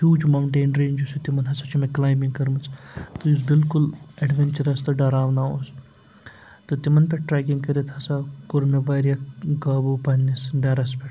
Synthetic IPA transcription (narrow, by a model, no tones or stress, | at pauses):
hjuːd͡ʒmɐwɳʈeːnɾeːnd͡ʒusut̪imɐnɦɐsɐt͡ʃʰimẽklaːjmiŋɡkɐɾmut͡sʰt̪ujus̬bilkulɐɖʋenʲt͡ʃɐɾɐst̪ɐɖɐɾaːʋnaːos | t̪ɨt̪imɐnpʲeʈɾɛːk̬iŋɡkɐɾit̪ʰhɐsakoɾonɐʋaːjɾjɐɡaːbupɐnːisɖɐɾɐspʲe